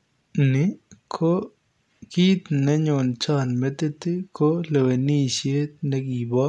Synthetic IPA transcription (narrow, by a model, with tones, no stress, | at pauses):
nɪ˨˦kʰo˦ | ki˦t̪nɛ˦ɲʊ˨nt͡ʃɔ˦nmɛ˦t̪e˦t̪i˦ko˦le˨we˨ni˦sje˦t̪̚nɛ˦ɡi˨bɔ˦